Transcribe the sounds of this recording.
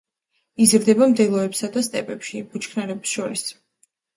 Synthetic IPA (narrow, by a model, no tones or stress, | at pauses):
izɾd̪ɛbamd̪ɛlˠɔɛpsad̪ast̪ʼɛpʼɛpʃib̥ut͡ʃʰkʰnaɾɛpsʃɔɾis